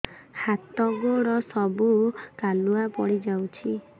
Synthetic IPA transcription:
hat̪ɔɡoɾɔsɔbukaluapɔɽid͡ʒawt͡ʃʰi

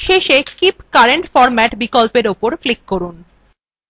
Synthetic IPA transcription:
ʃeʃekipkaɾeɳʈfɔɾmɛʈbikolpeɾopoɾflikːoɾun

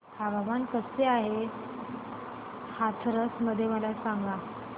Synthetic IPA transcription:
kʰababankəseaɦe | hat̪ʰɾəsməd̪ʱːjeməlasaŋɡa

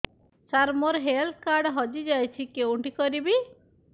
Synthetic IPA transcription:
saɾmoɾɦelt̪̚kaɾɖɦɔd͡ʒid͡ʒajt͡ʃʰikewɳʈikɔɾibi

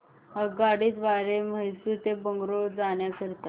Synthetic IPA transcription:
ɦaɡaɽiːt̪ʋaɾeməjsut̪ebəŋɡɾod͡zaɳjakəɾt̪a

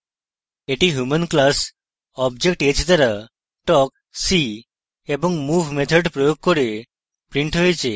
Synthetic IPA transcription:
eʈiɦjumənklas | ɔbd͡ʑek̚ʈet͡ɕt̪əɾa | ʈɔk̚ | si | ebɔŋɡmufmet̪ʰəɖpɾɔjoɡ̚kəɾe | pɾiɳʈɦojt͡ɕe

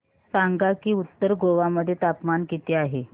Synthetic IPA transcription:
saŋɡakiːut̪ːəɾɡoʋaməd̪ʱːjet̪apmankit̪eːaɦe

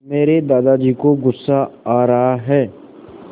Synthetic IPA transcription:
meːɾed̪aːd̪ad͡ʒiːkoɡʊsːaaːɾɐɦaɦɛː

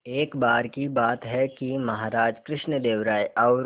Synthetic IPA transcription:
eːkbaːɾkibaːt̪ɦɛkimɐɦaːɾaːd͡ʒkɾɪʃnəd̪eːʋɾaːjʔɔːɾ

